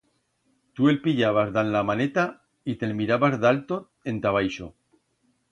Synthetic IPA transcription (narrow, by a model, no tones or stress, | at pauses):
t̪ue̞lpiʎaβ̞azðanlamanet̪a | it̪elmiɾaβazðalt̪o | e̞nt̪aβ̞ajʃo